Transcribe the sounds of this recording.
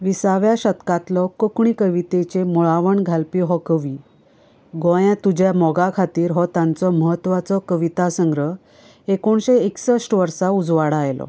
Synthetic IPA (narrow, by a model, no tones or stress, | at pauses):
ʋisaʋjaɕət̪kat̪lɔkəkɳ̃ikəʋit̪et͡ɕemuɭaʋəɳɡʱalpiɦɔkəʋiː | ɡɔjãt̪ud͡ʑjamɔɡakʰat̪iːɾɦɔt̪ãnt͡sɔməɦət̪ːʋat͡sɔkəʋit̪asəŋɡɾə | ekoɳɕeeksəʂʈʋəɾsaud͡zʋaɽajlɔ̰